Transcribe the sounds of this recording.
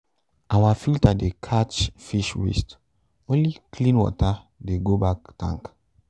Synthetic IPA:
ʔawafiltadekʰat͡ʃfiʃwḭst | õnlikʰlĩnwɔ̰ta | deɡobak̚tã̰ŋk

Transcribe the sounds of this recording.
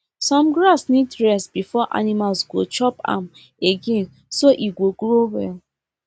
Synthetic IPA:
sɔ̃mɡɹasnitɹɛsbifɔʔa̰nimalsɡo̰t͡ʃɔpã̰m | eɡẽn | soʔiɡoɡɾowɛ̰l

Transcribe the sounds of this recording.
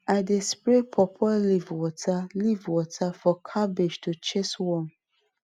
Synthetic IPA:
aɪdespɾepʰɔpʰlivwɔtʰalivwɔtʰafɔkʰabed͡ʒtʰut͡ʃeswɔm

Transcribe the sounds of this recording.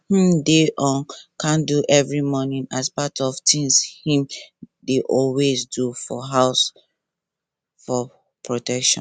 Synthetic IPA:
hm̩deʔɔ̃nkãnduʔɛvɹimɔnĩnaspatʰɔvtĩŋshĩmdeʔɔlwezdufɔɦaʊs | fɔ | pʰɹotɛkʃɔ̰̃n

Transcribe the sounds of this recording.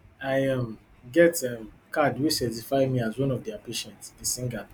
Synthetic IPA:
aɪam | ɡɛtɛmkadwisɛtifaɪmiazwɔ̃nɔvdiapeʃɛ̃ntsisĩŋɡal

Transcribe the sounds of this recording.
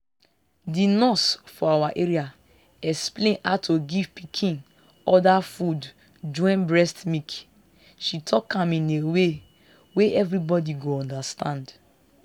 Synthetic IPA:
dinɔsfɔawaʔeɹia | ɛksplẽnatʰoɡivpikʰĩn | ɔdafud | d͡ʒɔ̃ɪ̃nbɹɛstmik | ʃitʰɔkãmĩnewe | weʔɛvɾibɔdiɡoɔ̃ndastãnd

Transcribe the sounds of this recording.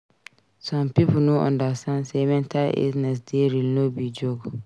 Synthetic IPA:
sɔ̃mpipunoʔɔ̰̃ndasãnsɛmɛ̃ntalḭznɛs̬deɾilnobid͡ʒoɡɔ

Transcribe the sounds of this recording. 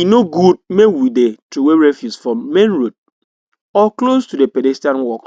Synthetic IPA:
inoɡud̚mekwidetuweɹɛfjusfɔ̃mẽnɹod̚ | ɔklostudepedɛstãnwɔk

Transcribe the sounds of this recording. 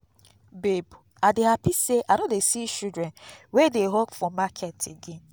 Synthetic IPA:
bebu | adɪɦapiseʔanodesit͡ʃudɾɛnwedeɦɔkfɔmakʰetʰiɡɪ

